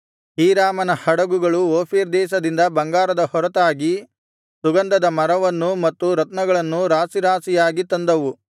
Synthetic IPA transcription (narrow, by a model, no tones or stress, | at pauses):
hiːɾaːmɐnɐhɐɽɐɡuɡɐɭuoːpʰiːɾd̪ɛːʃ̬ɐd̪ind̪ɐbɐŋɡaːɾɐd̪ɐhɔɾɐt̪aːɡi | suɡɐnd̪ɐd̪ɐmɐɾɐʋɐnːumɐt̪ːuɾɐt̪nɐɡɐɭɐnːuɾaːsiɾaːsijaːɡit̪ɐnd̪ɐʋu